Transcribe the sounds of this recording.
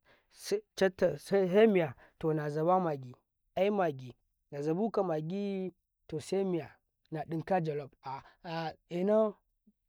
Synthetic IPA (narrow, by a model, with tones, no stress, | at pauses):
st͡ʃa˦tːa˨sɦe˦mi˨ja˨ | to˨na˨za˨ba˦ma˨ɡi˨ | a˦i˦ma˨ɡi˨ | na˨za˨bu˦ka˨ma˨ɡi˦ | to˨se˦mi˨ja˨ | na˨ɗi˦ŋka˦d͡ʒa˨lo˨b̚a˨ | i˨na˦